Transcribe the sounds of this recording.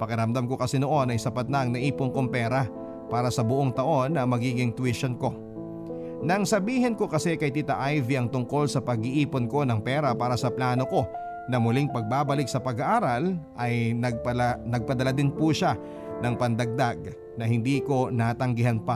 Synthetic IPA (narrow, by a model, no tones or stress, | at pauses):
pɐkɛɾɐmd̪amko̞kɐsɛnoʔo̞nɐjsɐpɐt̪̚nɐʔɐŋnɐʔiːponkoŋpɛːɾɐ | paːɾɐsɐbʊʔoŋt̪ɐʔo̞nːɐmɐɡiːɡɪŋt̪wɪʃonko̞ | nɐɐŋsɐbiːhɪnko̞kɐsɛkɐjt̪it̪ɐʔajviʔɐŋt̪ʊŋko̞lsɐpɐɡɪʔiːponko̞nɐŋpɛːɾɐpaːɾɐsɐplaːno̞ko̞ | nɐmʊliŋpɐɡ̚babɐlɪk̚sɐpɐɡaʔaːɾɐlʔɐjɐɡ̚pɐnɐɡ̚pɐd̪ɐlad̪ɪnpuːʃa | nɐŋpɐnd̪ɐɡ̚d̪aɡ̚ | nɐhɪnd̪iːko̞nat̪ɐŋɡɪɦanpa